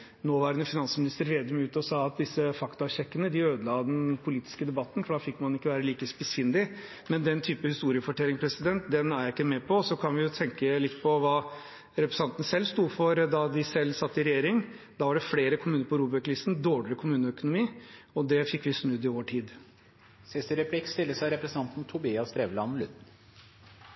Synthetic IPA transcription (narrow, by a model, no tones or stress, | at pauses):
noːʋɑːɾənəfɪnɑnsəmɪnɪst̪əɾɾeːd̪əmɪʉːt̪ɔsɑːɑt̪̚d̪ɪsːəfɑkt̪ɑɕɛkːənəd̪ɪøːd̪əlɑd̪ɛnpʰʊliːt̪ɪ̥skəd̪ɛbɑt̪ːnfɔɖɑːfɪkːmɑnɪkːəʋæːɾəliːkəspɪsɪnd̪ɪ | mɛnd̪ɛnt̪ʰyːpəhɪst̪uːɾɪəfɔʈʰɛlːɪŋpʰɾɛsɪd̪ɛnt̪d̪ɛnæɾjɪkːəmɛpʰɔsɔkʰɑnʋɪjʊt̪ʰɛŋkəlɪt̪ːpʰɔʋɑː | ɾɛpɾɛsɑnt̪ənsɛlːst̪uːfɔɾd̪ɑd̪ɪsɛlːsɑt̪ːɪɾɛjeːɾɪŋ | d̪ɑːʋɑɖɛfleːɾəkʰʊmʉːnəɾpʰɔɾuːbɛʈlɪst̪n̩d̪oːɭlɪkʰʊmʉːnəœkʊnʊmiːɔd̪ɛfɪkːʋɪsnʉd̪ːɪoːəʈʰiːd̪ | sɪst̪əɾɛpʰlɪkst̪ɪlːəsæɪɾɛpɾɛsnɑnt̪n̩t̪ʰʊbiːɑst̪ɾeːʋəlɑnlʉt̪n̩